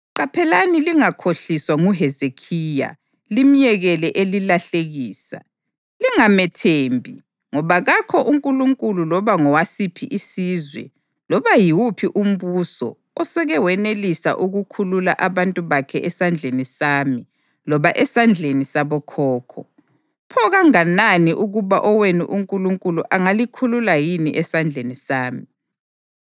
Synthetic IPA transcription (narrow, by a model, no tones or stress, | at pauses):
ǃapʰɛlaniliŋakʰoɬiswaŋuɦɛzekʰiːja̰ | lim̩jɛɣɛlɛʔelilaɬeɣiːsa̰ | liŋamɛtʰeːmbʱi | ŋɔβaɣakʰɔʔuŋkʼuluŋkʼululɔβaŋɔwasipʰiʔisizwɛ̰ | lɔβajiwupʰiʔum̩βusɔ̰ːsɛɣɛwɛnelisa̰ʔuɣukʰulula̰ʔaβantʼuβakʰɛʔɛsand͡ɮʱenisaːmi | lɔβaʔɛsand͡ɮʱenisaβɔkʰɔːkʰɔ | pʰɔɣaŋananiʔuɣuβaʔɔwenḭʔuŋkʼuluŋkʼuluʔaŋalikʰululajinḭʔɛsand͡ɮʱenisaːmi